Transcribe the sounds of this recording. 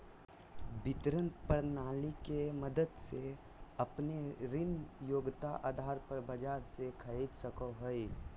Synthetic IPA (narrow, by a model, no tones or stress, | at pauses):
bɪt̪ɾə̃nt̪pəɾnaːlikeməd̪əd̪se | əpneɾɪnjoːɡt̪aʔaːd̪ʱaːɾpəɾbəd͡ʒaːɾsekʰəid̪səkoɦoi